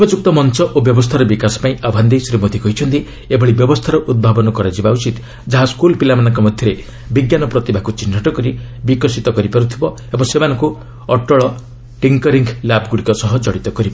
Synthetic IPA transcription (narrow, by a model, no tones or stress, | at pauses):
bɔd͡ʒuk̚t̪ɔmɔnt͡ʃɔʔobjɔbɔst̪ʰaɾɔbikasɔ̥paĩʔabʱand̪isɾimod̪ʱikɔɦit͡ʃʰʌnt̪i | ebʱɔɭibjɔbɔst̪ʰaɾɔʔud̪̚bʱabɔnɔkɔɾad͡ʒibaut͡ʃit̪ | d͡ʒaɦaskulpilamanaŋkɔmɔd̪ʱjɔɾe | biɡjanɔpɾɔt̪ibʱakut͡ʃinːaʈɔkɔɾibikɔsit̪ɔkɔɾipaɾut̪ʰibɔ | ebɔŋsemanɔŋku | ɔʈɔɭɔ | ʈiŋkɔɾiŋɡlabɡuɽikɔsɔɦɔd͡ʒɔɽit̪ɔkɔɾiba